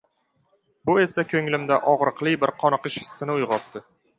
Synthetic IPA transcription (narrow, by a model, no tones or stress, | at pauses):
bʊe̞sakʰɵŋlɪmd̪aʔɒʁɾɨqlˠɪbɪɾqʰɒnɨqɨʃhɪ̥sːɪnɪʊjʁɒt̪ːɪ